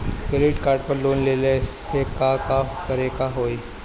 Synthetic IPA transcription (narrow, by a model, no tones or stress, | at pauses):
keleːʈkaːɾɖ̚pɐɾloːnleːlesekakat̪ɐɾekaɦoːi